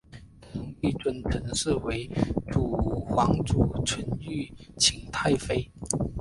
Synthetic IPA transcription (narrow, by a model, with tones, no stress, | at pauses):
ə˧˥ŋi˥˧ʈ͡ʂwə˥˩nʈ͡ʂʰə˧˥ŋʂɻ̩˥˩we˧˥ɪʈ͡ʂu˨˩xwɑ˧˥ŋʈ͡ʂu˨˩ʈ͡ʂʰwə˧˥ny˥˩t͡ɕʰi˧˥ŋt̪ʰa˥˩ɪfe˥ɪ